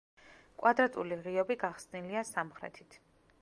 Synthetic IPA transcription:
kʼwad̪ɾat̪ʼuliʁiɔbiɡaχsniliasamχɾɛ̰t̪ʰi̥t̪ʰ

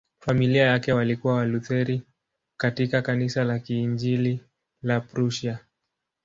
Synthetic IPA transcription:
familiajakɛwalikuwawaluθɛɾi | katikakanisalakiːnd͡ʒili | lapɾuʃa

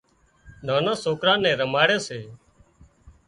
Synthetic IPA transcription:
nãːnãːsoːkɾãːnɛ̃ːɾəmaːɽeːseː

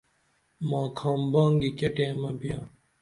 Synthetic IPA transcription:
mãːkʰãːmbãːŋɡikeʈẽːmɐbijãː

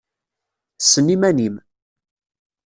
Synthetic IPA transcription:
sənːimænim

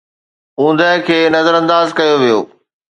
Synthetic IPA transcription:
ũːnd̪əɦkʰeːnɐzəɾɐ̃nd̪aːzkɐjoʋijo̰ː

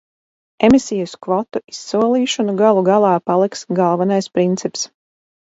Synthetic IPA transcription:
emisijuskvɔt̪uʔisːuɔlˠiːʃɔnuɡalˠuɡalˠɑːpalˠiksɡalˠvanajspɾint̪sips

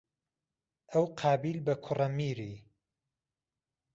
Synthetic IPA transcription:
ʔəwqʰɑːbiːlbɐkʰʊrɐmiːɾiː

